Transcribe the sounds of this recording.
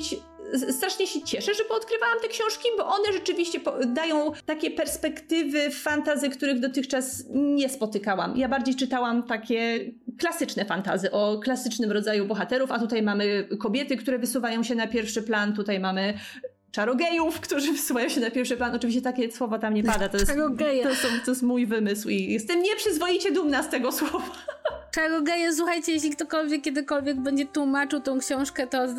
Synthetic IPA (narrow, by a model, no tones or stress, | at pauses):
t͡ɕ | st̪ɾaʂɲɛɕɛt͡ɕɛʂɛʐɛbɔɔt̪kɾɘvawamt̪ɛkɕɔ̃w̃ʂkʲibɔʔɔnɛʐɛt͡ʂɘvʲiɕt͡ɕɛpɔd̪ajɔ̃w̃t̪akʲɛpɛɾspɛkt̪ɘvɘfant̪azɘkt̪uɾɘɣd̪ɔt̪ɘxt͡ʂasɲɛspɔt̪ɘkawa̰mjabaɾd͡ʑejt͡ʂɘt̪awamt̪akʲɛklasɘt͡ʂnɛfant̪a̰zɘʔɔklasɘt͡ʂnɘmɾɔd̪zajubɔxat̪ɛɾufat̪ut̪ajmamɘkɔbʲjɛt̪ɘkt̪uɾɛvɘsuvajɔ̃w̃ɕɛnapʲjɛɾfʂɘplant̪ut̪ajmamɘ | t͡ʂaɾɔɡɛjufkt̪uʐɘvɘsuvajɔ̃w̃ɕɛnapʲjɛɾfʂɘplanɔt͡ʂɨvʲiɕ̬t͡ɕɛt̪akʲɛswɔvɔt̪amɲɛpad̪at̪ɔjɛsaɾɔɡɛjɛsɔt̪ːɔjɛst̪mujvɘmɘswijɛst̪ɛmɲɛpʂɘzvɔjit͡ɕɛd̪umnast̪ɛɡɔswɔvat͡ʂaɾɔɡɛjɛs̬uxajt͡ɕɛjeɕ̬lʲik̚t̪ɔkɔlvʲjɛkʲːjɛd̪ɘkɔlvʲjɛɡ̚bɛɲd͡ʑɛt̪wumat͡ʂɨwt̪ɔ̃w̃kɕɔ̃w̃ʂkɛt̪ɔ